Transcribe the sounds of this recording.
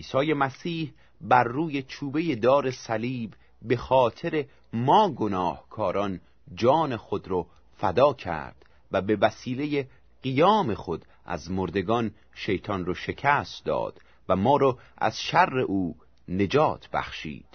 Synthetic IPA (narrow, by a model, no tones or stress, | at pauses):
iːsɒːjemæsiːh | bæɾːuːjet͡ʃʰuːbe̞je̞d̪ɒːɾe̞sæliːbː | e̞xɒːt̪ʰeɾe̞ | mɒːɡonɒːhkʰɒːɾɒn | d͡ʒɒːne̞xo̞d̪ɾɔ | fæd̪ɒːcʰæ̰ɾd̪̥ | væbe̞væsiːle̞je | ɢ̥ijɒːme̞xo̞d̪ | ʔæ̰zmoɾd̪e̞ɡɒn | ʃe̞jt̪ʰɒnroʃe̞cʰæst̪d̪ɒ̰ːd̪̥ | væmɒːɾɔʔæ̰z̥ʃærːe̞ʔuː | ne̞d͡ʒɒːt̪ʰb̥æ̰χʃḭːd̪̥